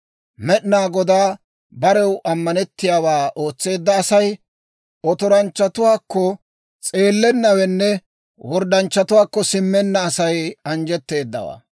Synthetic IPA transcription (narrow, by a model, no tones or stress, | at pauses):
mɛɗɪnaːɡɔd̪aː | bɐɾɛwʔɐmːɐnɛt̪ːɪjaːwaːʔo̞ːt͡sːe̞ːd̪ːɐːsɐj | ɔt̪ɔɾɐnt͡ʃːɐt̪ʊwaːkːɔ | t͡sʼe̞ːlːɛnːɐwɛnːɛ | wɔɾd̪ɐnt͡ʃːɐt̪ʊwaːkːɔsɪmːɛnːɐːsɐjɐnd͡ʒɛt̪ːe̞ːd̪ːɐ̰wa̰ː